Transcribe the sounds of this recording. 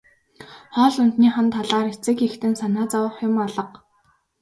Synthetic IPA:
χɔːɮʊnt̪niːχə̆nt̪ʰːaɮaːɾet͡sɘ̆kixt̪ɘ̆nsanaːt͡sawə̆χjʊmɔɮə̆q

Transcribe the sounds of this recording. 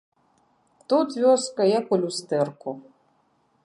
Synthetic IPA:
t̪ut̪vʲɔskɐjakulʲust̪ɛrku

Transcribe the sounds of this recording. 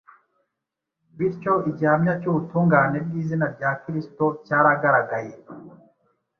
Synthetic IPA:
βiɾco̞iɟiamɲacuːβutuːŋɡaːne̞bɡiːzinaɾɟaːkiɾisto̞caːɾaɡaɾaɡaje

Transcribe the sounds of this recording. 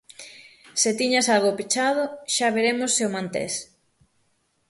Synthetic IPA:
set̪iɲasalɣopit͡ʃaðoʃaβeɾemosːeomãnt̪ḛs

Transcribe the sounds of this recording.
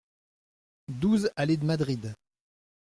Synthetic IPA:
d̪uːzaled̪mad̪ʁid̪

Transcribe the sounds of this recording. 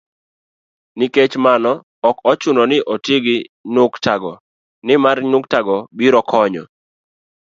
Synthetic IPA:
niket͡ʃmanɔ | ɔkɔt͡ʃʊnɔnɪʔotɪɡɪɲʊktaɡɔ | nɪmarɲʊktaɡɔbiɾɔkʰɔɲɔ̰

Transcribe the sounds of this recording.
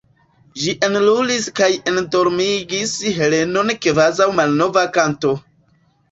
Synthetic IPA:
d͡ʒiʔenluliskaje̞ndo̞ɾmiɡisɦe̞le̞no̞nkvazawmalno̞vakanto̞

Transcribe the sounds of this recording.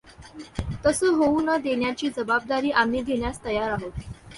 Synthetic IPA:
t̪əsəːɦounəd̪eɳjat͡ɕiːd͡zəbab̚d̪aɾiːʔamːiːd̪ʱeɳjast̪əjaɾaɦot̪

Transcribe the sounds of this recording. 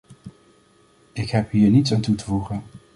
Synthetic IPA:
ɪkɦɛpɦiːɹnitsaːntutəvuχən

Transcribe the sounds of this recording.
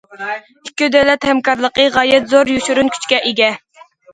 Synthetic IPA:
ikʲːyd̪ɛlɛt̪hɛmkɑɾlˠəqəʁɑːjɛt̪zoɾjuʃyɾunkʲʰy̥t͡ʃkʲɛʔeɡʲɛ

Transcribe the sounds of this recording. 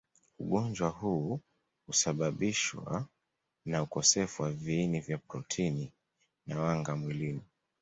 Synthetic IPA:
uɠɔnd͡ʒwaɦuː | husaɓaɓiʃwa̰ | naukɔsɛfuwaviinivjapɾɔtʰini | nawaŋɡamwilini

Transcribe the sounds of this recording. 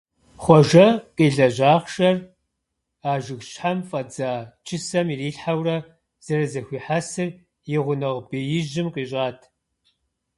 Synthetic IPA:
χʷɔʒɐqʼiːɮɐʑʷaːχʃɐr | aːʒɪxɕʼħamfʼɐd͡zaːt͡ʃʰɪsɐmiːriːɬħawrɐ | z̥ɐrɐzɐxʷiːħasɨr | jɪʁʷʊnɨʁbeːjɪʒɪmqiːɕʼaːtʰ

